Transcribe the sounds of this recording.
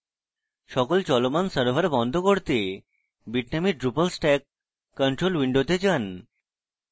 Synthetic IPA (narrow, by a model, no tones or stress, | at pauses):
ʃɔkolt͡ɕɔlomansəɾbʱəɾbɔnd̪ʱokoɾt̪e | biʈnamiɾɖɾupəlsʈɛk̚ː | əɳʈɾolwiɳɖot̪et͡ɕan